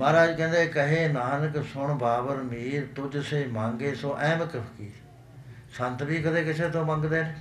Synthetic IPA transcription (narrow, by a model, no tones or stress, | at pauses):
maːɾaːd͡ʒkɛ̃ːnd̪eːkəɦeːnaːnəksʊɳbaːbəɾmiːɾt̪ʊd͡ʒseːmãːŋɡeːsoːʔɛ̃ːməkəfʰkiː | sə̃nt̪biːkəd̪eːkɪseːt̪õːmə̃ŋɡd̪eːn